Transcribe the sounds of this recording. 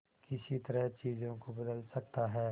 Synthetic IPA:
kɪsit̪ɐɾəɦt͡ʃiːzõkobɐd̪əlsɐkt̪aɦɛː

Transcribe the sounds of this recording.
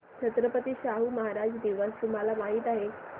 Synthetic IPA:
t͡ɕʰət̪ɾəpət̪iːɕaɦuməɦaɾad͡ʑd̪iʋəst̪um̤alamaɦiːt̪aɦe

